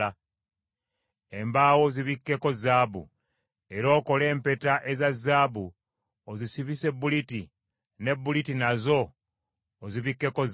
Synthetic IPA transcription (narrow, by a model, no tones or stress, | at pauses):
a | embaːwo̞ziβikːe̞ko̞zaːbṵ | e̞ɾo̞ːko̞le̞ːmpe̞taʔe̞zazaːbu | ozisiβise̞buliti | ne̞bːulitinazo̞ː | ziβikːe̞koz